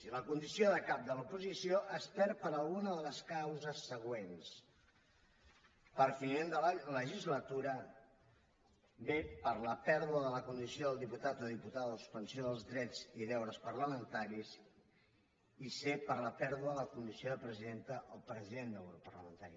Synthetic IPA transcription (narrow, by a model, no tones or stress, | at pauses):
siləkund̪isioðəkap̚d̪əlupuzisioʔəspɛɾpəɾəlˠɣunəðələskawzəsːəɣwens | pəɾfinend̪ələləʒizlət̪uɾə | bepəɾləpɛɾðuəðələkund̪isioðəlˠd̪iput̪at̪oðiput̪aðəðəsu̥spənsioðəlˠzðɾɛd͡ziðɛwɾəspərləmənt̪aɾiz | isepəɾləpɛɾðuəðələkund̪isioðəpɾəziðent̪əʔːlˠpɾəziðend̪ɛwɾupə̰rləmənt̪aɾi